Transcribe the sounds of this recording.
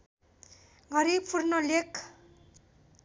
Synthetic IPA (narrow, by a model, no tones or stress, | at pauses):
ɡʱʌɾibpʰurnolekʰ